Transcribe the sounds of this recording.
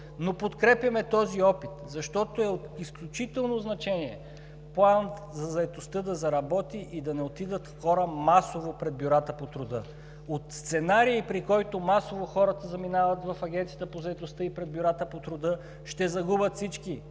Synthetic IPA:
nopot̪kɾɛpjɐmɛt̪ɔziɔpit̪zɐʃt̪ɔt̪oɛot̪isklʲut͡ʃit̪ɛlˠnoznɐt͡ʃɛniɛ | plˠan | zɐzɐɛt̪ost̪ɤd̪ɐzɐɾɐbɔt̪iʔid̪ɐnɛot̪id̪ət̪xɔɾəmasovopɾɛd̪̚bʲjʊɾat̪əpot̪ɾʊd̪ɤ | ot̪st̪sɛnaɾiːpɾikɔjt̪omasovoxɔɾət̪ɐzɐminavɐt̪vɐfɐɡʲɛnt̪sijət̪əpozɐɛt̪ost̪ɤipɾɛd̪̚bʲjʊɾat̪əpot̪ɾod̪ɤ | ʃt̪ɛzɐɡubət̪fsit͡ʃki

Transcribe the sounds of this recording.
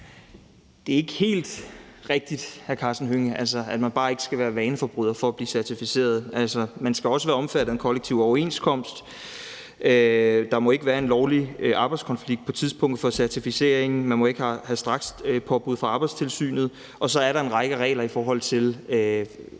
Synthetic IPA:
d̥e̝æɐe̝ɡ̥əhe̝̰ːld̥ʁɛɡ̥̚d̥id̥hæɐkʰɑ̈ːsn̩ɦøŋəʔælsɐæd̥mænb̥ɑ̈ːe̝ɡ̥ə̥sɡ̥æʋæːɐʋɛːnəfɒb̥ʁuðˠɐfɒ̽æb̥liːsæɐt͡sʰifise̝̰ːɐð̞̩ˠʔælsɐmænsɡ̥æɒ̽səʋæːɐɒ̽mfæɾ̥ð̩ˠenkʰɒ̽leɡ̥̚t͡sʰiʊ̰ɒʊɐe̝̰nskʰɒ̽m̰sd̥ | ød̥ɑ̈mɒ̽e̝ɡ̥əʋæːɐe̝nlɒʊliʔɑ̈ːb̥ɑ̈ɪdskʰɒ̽nfliɡ̥̚pʰɒ̽t͡sʰiðˠsb̥ɔ̽ŋ̰d̥̩ˠfɒ̽sæɐt͡sʰifise̝̰ɐeŋn̩mænmɒ̽e̝ɡ̥əhæhæsd̥ʁɑ̈ɡ̥spʰɒ̽b̥uð̞̰ˠfʁɑ̈ɑ̈ːb̥ɑ̈ɪdst͡sʰe̝lsy̰ːnð̞̩ˠ | ʔɒ̽sɒ̽æɐɾɑ̈e̝nʁɑ̈ɡ̥əʁɛ̰ːɪlɐifɒːɦɒ̽l̰t͡sʰe̝lø

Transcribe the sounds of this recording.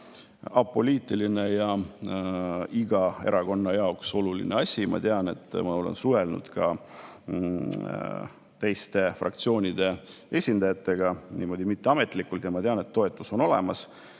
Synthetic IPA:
ɑpːo̞liːt̪ˑiline̞jɑ | iɡ̥ɑe̞̰ɾɑɡo̞nːɑjɑokso̞lulḭneɑsʲimɑ̰t̪eɑne̞t̪ˑːmɑo̞lḛnsuve̞lnṵd̪̥kɑ | t̪e̞jst̪e̞frʔɑ̰kt̪sio̞ːnʲid̪̥e̞ | e̞sʲind̪̥ɑjɑt̪ːˑe̞ɡ̥ɑnʔiːmo̞d̪imit̪ːe̞ɑme̞t̪ˑlikult̪jɑmɑt̪e̞ɑne̞t̪ːo̞e̞t̪ːˑuso̞no̞lḛmɑs

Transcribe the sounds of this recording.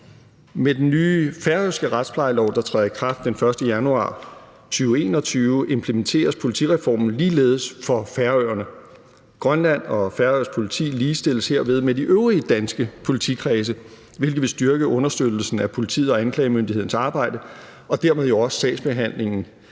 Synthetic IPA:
med̥enːyːfæɐøsɡ̥əʁad̥spʰlɑ̈ɪlɒʊd̥ɑ̈t͡sʰʁɛðɐikʰʁɑ̈fd̥ːenfɶɐsd̥əjænuɑ̰̈ː | t͡sʰyːʊe̝̰ːnɒ̽t͡sʰyːʊʔe̝mpʰləment͡sʰe̝̰ːɐspʰo̝lit͡sʰḭʁɛfɒ̰ːmn̩liːle̝̰ːð̞̩ˠsfɒ̽fæɐøːɐnə | ɡ̥ʁɶnlæn̰ɒ̽fæɐøɐspʰo̝lit͡sʰḭːliːsd̥e̝l̰əshe̝ɐ̰ʋe̝ð̞ˠmediʔøʊʁiəd̥ænsɡ̥əpʰo̝lit͡sʰḭkʰʁɛːs̬ə | ʋe̝lɡ̥ð̩ˠʋe̝sd̥yɐɡ̥əʔɔ̽nɐsd̥ød̥l̩sn̩æpʰo̝lit͡sʰḭːð̩ˠɒ̽ænkʰlɛɪmøndihe̝ðˠn̩sɑ̈ːb̥ɑ̈ɪ̰d̥ə | ɒ̽d̥æɐ̰með̞ˠjoɒ̽sːɛ̰̥ːsb̥e̝ɦæn̰le̝ŋn̩

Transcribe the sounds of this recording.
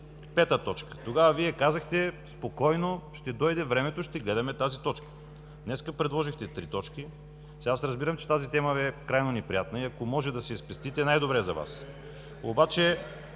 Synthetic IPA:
pɛt̪ət̪ɔt͡ʃkə̥t̪oɡavɐviɛkazəxt̪ɛspokɔjnoʃt̪ɛd̪ɔjd̪ɛvɾɛmɛt̪oʃt̪ɛɡlɛd̪ɐmɛt̪azit̪ɔt͡ʃkə̥ | d̪nɛskəpɾɛd̪lˠɔʒixt̪ɛt̪ɾit̪ɔt͡ʃki | sasɾɐzbiɾəmt͡ʃɛ̥t̪azit̪ɛməɛkɾajnonɛpɾijat̪nəiɐkomɔʒɛd̪ɐsɛispɛst̪it̪ɛnajd̪obɾɛzɐva̰s | o̰bat͡ʃɛ

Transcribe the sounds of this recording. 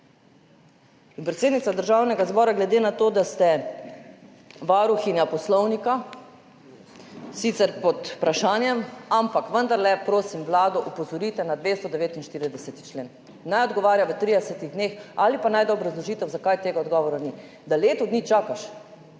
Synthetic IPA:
inpɾɛt̪seːd̪nit̪sad̪əɾʒawnɛɡazbɔːɾaɡlɛd̪eːnat̪oːd̪ast̪ɛ | ʋaɾuxinjapɔslɔwnika | sit̪sɛɾpɔt̪pɾaʃaːnjɛmampakʋənd̪aɾlɛpɾoːsimʋlaːd̪ɔʔupɔzɔɾiːt̪ɛnad̪ʋest̪ɔd̪ɛʋeːt̪inʃt̪iːɾid̪ɛsɛt̪i̥t͡ʃleːn | najɔd̪ɡɔʋaːɾjaʋət̪ɾid̪ɛsɛt̪iɣd̪neːxalipanajd̪ɔbɾazlɔʒit̪ɛwzakajt̪eːɡaɔd̪ɡɔʋɔɾani | d̪aleːt̪ɔd̪nit͡ʃaːkaʃ

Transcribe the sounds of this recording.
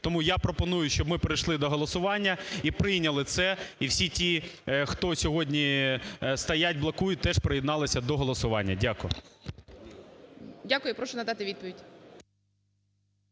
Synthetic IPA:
t̪ɔmujapɾɔpɔnujʊʃʲt͡ʃɔbmɪpɾɪjʃlˠɪd̪ɔɦɔlˠɔsʊʋɑnʲːɐipɾɪjnʲɐlˠɪt̪sɛiwsʲitʲixt̪ɔsʲɔɦɔdʲnʲi | st̪ɐjatʲblˠɐkujʊt̪ɛʃpɾejɪd̪nɑlˠɪsʲɐd̪ɔɦɔlˠɔsʊʋɑnʲːɐ̰dʲakʊjʊ | dʲakʊjʊpɾɔʃɔnɐd̪ɑt̪ɪʋʲid̪̚pɔʋʲidʲ

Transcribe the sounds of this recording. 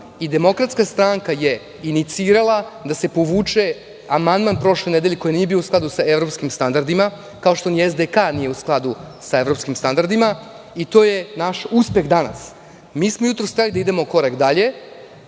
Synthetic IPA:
id̪e̞mo̞kɾat̪skast̪ɾaŋkaje̞ | init̪siːɾalˠad̪ase̞poʋuːt͡ʂe | amand̪manpɾo̞ʃlened̪eʎeko̞jinijebijo̞usklˠad̪usae̞vɾo̞pskimst̪and̪aɾd̪ima | kao̞ʃt̪oniezd̪ekanije̞usklˠad̪usae̞vɾo̞pskimst̪and̪aɾd̪ima | it̪o̞ːje̞naʃuspe̞xd̪ana̰s | miːsmojut̪ɾost̪ɾelid̪aid̪e̞moko̞ɾakd̪aʎe̞

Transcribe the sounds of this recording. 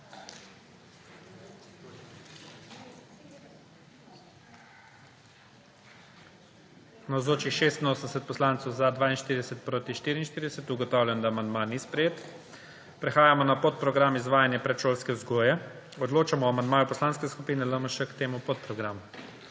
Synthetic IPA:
nawzloːt͡ʃixʃeːst̪inoːsənd̪ɛsɛt̪̚pɔslaːnt̪sɔwzad̪ʋaːinʃt̪iːɾid̪ɛsɛt̪̚pɾoːt̪iʃt̪iːɾiːnʃt̪iːɾid̪ɛsɛt̪uɡɔt̪aːwlʲjʲɛnd̪aːmand̪manispɾɛjeːt̪ | pɾɛxaːjamɔnapot̪̚pɾɔɡɾamizʋaːjanjɛpɾɛt̪ʃoːlskɛuzɡoːjɛ | ɔd̪loːt͡ʃamɔamand̪maːjupɔslaːnskɛskupiːnɛləməʃəkt̪eːmupot̪̚pɾɔɡɾamu

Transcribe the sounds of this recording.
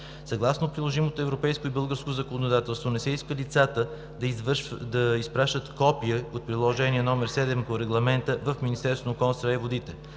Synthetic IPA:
sɐɡlˠasnopɾilˠoʒimot̪oɛvɾopɛjskoibɤlˠɡəɾskozɐkonod̪at̪ɛlˠst̪vonɛsɛiskəlit̪sat̪ə | d̪d̪ɐispɾaʃt̪ət̪kɔpiəot̪̚pɾilˠoʒɛniɛnɔmɛɾsɛd̪ɛmpoɾɛɡlˠɐmɛnt̪əvəfminʲist̪ɛɾst̪vonokɔnst̪ɾaivod̪it̪ɛ

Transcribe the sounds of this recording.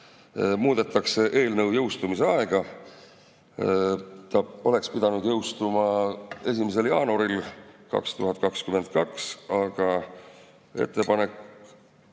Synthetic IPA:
muːd̪̥e̞t̪ːˑɑkse̞ʔe̞ːlnɤwjɤwst̪umise̞ɑe̞ɡ̥ɑ | t̪ɑo̞le̞kspid̪̥ɑnud̪̥jɤwst̪umɑe̞s̬ʲimes̬e̞ljɑːnuɾilkɑ̰kst̪uɦɑt̪̚kɑkskyme̞nt̪̚kɑksɑɡ̥ɑ | e̞̰t̪ˑːepɑne̞k

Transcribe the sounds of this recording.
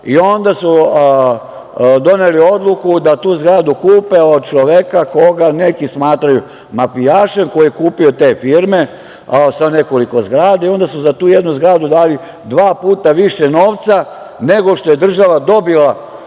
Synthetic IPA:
io̞nd̪asu | d̪o̞nelio̞d̪lˠukud̪at̪uːzɡɾaːd̪ukuːpe̞od̪̚t͡ʃoʋekako̞ɡane̞kismaːt̪ɾaju | mafijaːʃenko̞jiekuːpio̞t̪e̞ːfiːɾme̞ | sane̞ko̞liko̞zɡɾaːd̪aio̞nd̪asuzat̪uːjed̪nuzɡɾaːd̪ud̪aːli | d̪ʋaːpuːt̪aʋiʃe̞no̞ːʋt̪sa | ne̞ɡo̞ʃt̪o̞je̞d̪r̩ʒaʋad̪o̞bila

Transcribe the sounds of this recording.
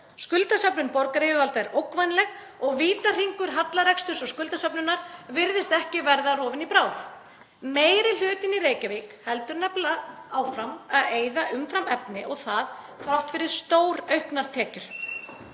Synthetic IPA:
skʏlt̪asapnʏnpɔɾkaɾɪʏɣalt̪aɛɾowkvajnlɛɣ | ɔɣviːt̪ar̥iŋkʏɾ̥ɦat̪laɾɛkst̪ʏsɔɣskʏlt̪asœpnʏnːaɾvɪɾðɪst̪ɛhcɪvɛɾðarɔːvɪnipɾaːwθ | meːjɾɪl̥ʏːt̪ɪniɾeːjcavikhɛlt̪ʏɾnɛplaaːwfɾamaðeːjðaʔʏmfɾamɛpnɪʔɔɣθað | fɾawht̪fɪɾɪɾ̥st̪oːwɾœɥhknaɾ̥t̪ʰɛːcʏɾ̥

